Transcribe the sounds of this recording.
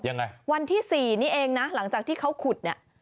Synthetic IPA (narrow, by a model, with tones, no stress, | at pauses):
ja˧ŋːa˧jwa˧nt̪ʰiː˥˩siː˨˩niː˦˥ʔeː˧ŋna˦˥la˩˦ŋt͡ɕaː˨˩k̚t̪ʰiː˥˩kʰa˦˥wkʰu˨˩t̪̚ni˦˥˩ə